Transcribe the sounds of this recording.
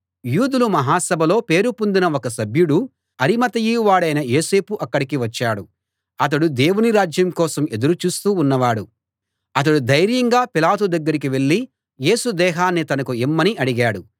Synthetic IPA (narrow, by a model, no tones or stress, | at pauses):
juːd̪ulumɐɦaːsɐbʱɐlo̞ːpe̞ːɾupund̪inɐokɐsɐbjuɽu | ɐɾimɐt̪ɐjiːuʋaːɽɐjnɐjo̞ːse̞ːpuʔɐkːɐɽikiʋɐt͡ʃːaːɽu | ɐt̪̬ɐɽud̪e̞ːwuniɾaːd͡ʒjɐmkɔːsɐme̞d̪uɾut͡ʃuːst̪uːnːɐʋaːɽu | ɐt̪̬ɐɽud̪ɐjɾjɐŋɡaːpilaːt̪ud̪ɐɡːɐɾik̬iʋe̞ɭːi | je̞ːsud̪ɛːɦaːnːit̪ɐnɐkuimːɐniʔɐɽiɡaːɽu